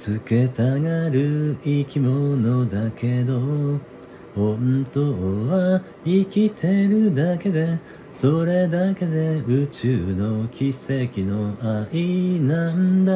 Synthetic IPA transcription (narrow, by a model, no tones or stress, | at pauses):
t͡sɨke̞t̪aɡaɾɯ̟ikʲimo̞no̞d̪akʰe̞d̪o̞ | hõnt̪o̞βa | ikʲit̪ʰe̞ɾɯ̟d̪ake̞d̪e̞ | so̞ɾe̞d̪ake̞d̪e̞ɯ̟t͡ɕɨːno̞kʲise̞kʲino̞aʔinãnd̪a